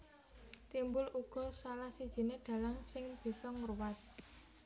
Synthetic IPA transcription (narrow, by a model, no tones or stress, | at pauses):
t̪imbʊlʔuɡ̥ɔ̤salahsid̥ʒ̥i̤neɖ̪̥a̤laŋsɪŋb̥i̤sɔŋərwat̪̚